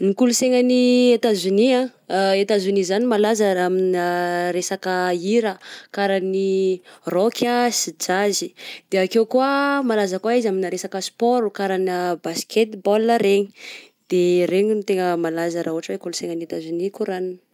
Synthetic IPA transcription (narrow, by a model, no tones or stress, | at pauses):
nikuluseŋəniet̪azuniã | et̪azunizanimalazəaminɾesakəiɾəkaɾanirɔkʲʰəsid͡ʒazid̪̥eakewkuəmalazəkwaizaminaɾesakəspoɾukaɾanəbaskʰet̪bɔlːəɾeɲi̥ | d̪̥ereɲinut̪eŋəmalazəɾauɦaʈ͡ʂəwekuluseŋanat̪azunikuɾaninə̥